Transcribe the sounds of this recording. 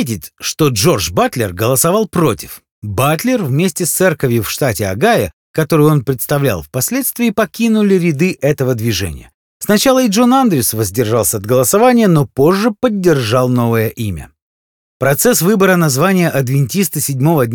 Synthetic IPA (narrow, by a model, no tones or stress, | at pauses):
t̬ʲɪtʲʂt̪o̞ʐo̞rʐbat̪lʲɪ̰rɡəlˠəsɐvɑlˠpɾo̞tʲɪ̥f | bat̪lʲɪrvmʲesʲtʲɪst̪sɛrkəvʲjʊfʂt̪atʲɪɐ̰ɡajə | kɐt̪o̞ɾɨjo̞npɾʲɪt̪st̪ɐvlʲa̰lˠfpɐsʲlʲet̪st̪vʲɪːpɐkʲinʊlʲɪɾʲɪd̪ɨʔɛt̪əvəd̪vʲɪʐɛ̰nʲɪ̰jə | snɐt͡ɕalˠəɪʐo̞nand̪ɾʲɪsvəzʲdʲɪrʐalˠsʲəɐd̪ɡəlˠəsɐvanʲɪjəno̞po̞ʐːɨpədʲːɪrʐɑlˠno̞vəjəʔimʲə̰ | pɾɐt̪sɛsvɨbəɾənɐzvanʲɪjəʔɐd̪vʲɪnʲtʲist̪əsʲɪdʲmo̞vədʲnʲ